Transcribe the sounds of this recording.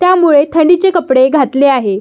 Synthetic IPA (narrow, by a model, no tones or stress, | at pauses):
t̪jamuɭet̪ʰəɳɖit͡sekəpɽeɡʱat̪leaɦe